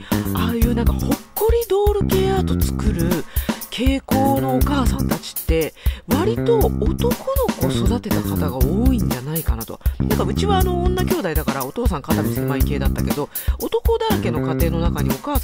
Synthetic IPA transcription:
aːɯjɯ̟ːnãŋka̰ho̞kːo̞ɾʲid̪o̞ːɾɯ̟ke̞ːat̪o̞t͡sɨ̥kɯ̟ɾɯ̟kʰe̞ːko̞ːno̞ːkaːsãnt̪at͡ɕi̥t̪ːe̞βaɾʲit̪o̞ːt̪o̞ko̞no̞ko̞so̞d̪at̪e̞t̪akat̪aɡaoːĩɲ̟d͡ʑanaikanat̪onã̰ŋkaɯ̟t͡ɕiβaːnõ̞ːnːakʲo̞ːd̪aid̪akaɾao̞t̪o̞ːsãŋkat̪amʲisemaike̞ːd̪at̪ːa̰ke̞d̪o̞ | o̞t̪o̞ko̞d̪aɾake̞no̞kat̪e̞ːno̞nakaɲ̟io̞kaː

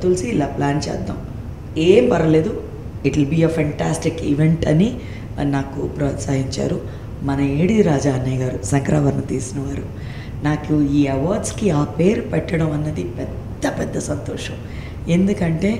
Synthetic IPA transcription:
t̪ulsiːlaːplaːnt͡ʃɛ̰ːd̪ːa̰ːm | eːmpɐɾɐle̞ːd̪u | iʈilbiɐːpʰɐɳʈaːsʈikiʋeɳʈɐni | naːkupɾɐːt̪saːɦiɲt͡ʃa̰ːɾu | mɐnɐeːɽiɾaːd͡ʒaːɐnːɐjɡaːɾusɐŋkɾaːʋɐɾnɐt̪iːsinɐʋaːɾu | naːkuiːɐʋaːɾɖskiaːpeːɾupɛʈːɐɽɐmɐnːɐd̪ipɛd̪ːɐpɛd̪ːɐsɐnt̪ɔ̰ːʂɐm | e̞nd̪ukɐɳʈe̞ː

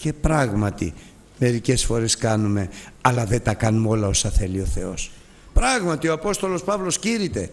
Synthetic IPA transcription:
ce̞pɾɐɣmɐt̪ḭ | me̞ɾice̞sfo̞ɾe̞skɐnume̞ɐlɐðe̞t̪ɐkɐnumo̞lɐo̞sɐθe̞lio̞θe̞o̞s | pɾɐɣmɐt̪ioɐpo̞st̪o̞lo̞spɐvlo̞sciɾit̪e̞

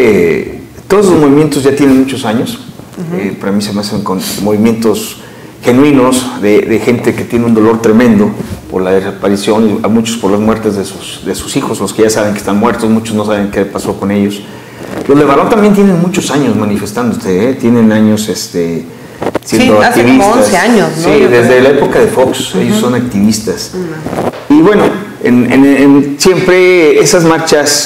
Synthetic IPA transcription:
e | t̪oðoslozmoβimje̞nt̪o̞zʝat̪jene̞nmut͡ʃo̞saɲo̞s | epeɾamise̞measeŋko̞nmoβ̞imjẽ̞nt̪o̞s | xe̞nwino̞sðeðexe̞nt̪e̞ke̞t̪je̞neund̪o̞lo̞ɾt̪ɾe̞mẽnd̪o̞po̞ɾlaðesapaɾisjo̞niamut͡ʃospoɾlazmwe̞ɾt̪ezðesusðe̞su̥sixo̞zloskeʝasaβ̞e̞ŋkest̪anmwe̞ɾt̪osmut͡ʃo̞znos̬aβ̞e̞ŋkepaso̞ko̞ne̞ʝo̞s | lozleβaɾont̪ambjent̪je̞ne̞nmut͡ʃo̞saɲo̞zmanife̞st̪and̪ose̞et̪je̞nẽ̞naɲo̞sest̪e | sjẽnd̪oat̪iβisonaseaɲosnsiðezðelaepo̞kaðe̞fo̞ksḛjosːonak̚t̪iβist̪as | iβwe̞no̞ | ḛnḛnnsje̞mpɾe̞esazmaɾt͡ʃas

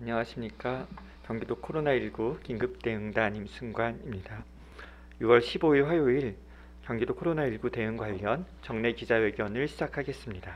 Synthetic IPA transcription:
aɲʌŋaɕʰimɲik͈a | kjʌŋɡidokʰoɾonaiɭɡukiŋɡɯp̚t͈e̞ɯŋdaɲimsʰɯŋɡwanimɲida | juwʌɭɕʰiboiɭɸwajoiɭ | kjʌŋɡidokʰoɾonaiɭɡute̞ɯŋɡwaʎːʌnt͡ɕʌŋne̞kid͡ʑawe̞ɡjʌnɯɭɕʰid͡ʑakʰaɡe̞s͈ɯmɲida

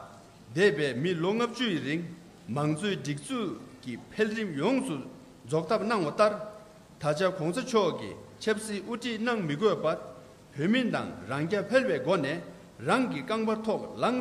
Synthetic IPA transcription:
t̪ɛːpɛːmiloŋap̚t͡ɕuɹiŋ | maŋt͡sʰøːʈ͡ʂik̚t͡suʔcipʰelɹimjɔŋsu | d͡zɔk̚t̪ʰap̚naŋwat̪aɹ | t̪ʰat͡ɕakʰɔŋsat͡ɕʰɔʔkḭt͡ɕʰəp̚siːʔuʈ͡ʂʰiʔnaŋmikøpaɹ | pʰøːmint̪a̰ŋɹaŋcapʰelwɛːɡɔnɛː | ɹaŋkikaŋpat̪ʰɔʔlaŋ

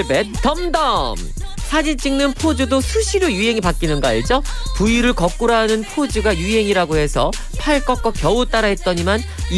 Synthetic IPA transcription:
bet͈ʌmdʌm | sʰad͡ʑint͡ɕ͈iŋnɯnpʰod͡ʑɯdosʰuɕʰiɾojuɦe̞ŋipak͈inɯnɡʌid͡ʑʌpuiɾɯɭkʌk͈uɾaɦanɯnpʰod͡ʑɯɡajuɦe̞ŋiɾaɡoɦe̞sʰʌ | pʰaɭk͈ʌk͈ʌk͈jʌut͈aɾaɦe̞t̚t͈ʌɲiman | i

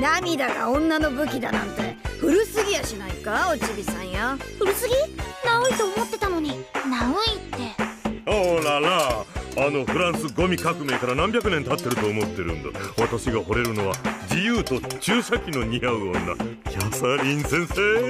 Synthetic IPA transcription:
namʲid̪aɡa̰õ̞nːano̞bɯ̟k̬ʲid̪anã̰nt̪e̞ɸɯ̟ɾɯ̟sɨɡʲijaɕinaikaot͡ɕibʲisãɰ̃jaɸɯ̟ɾɯ̟sɨɡʲinaoit̪o̞ːmo̞t̪ːe̞t̪ano̞ɲ̟inaoit̪ːe̞olalaː | no̞ɸɯ̟ɾãɰ̃sɨɡo̞mʲikakɯ̟me̞ːkaɾanãmbʲjak̬ɯ̟nent̪at̪ːe̞ɾɯ̟t̪o̞ːmo̞t̪ːe̞ɾɯ̟̰̃nd̪a̰βat̪aɕiɡaɦo̞ɾe̞ɾɯ̟no̞βad͡ʑijɯːt̪o̞t͡ɕɨːɕakʲino̞ɲ̟iaɯ̟o̞nːa̰kʲasaɾʲĩnsẽ̞ɰ̃seː

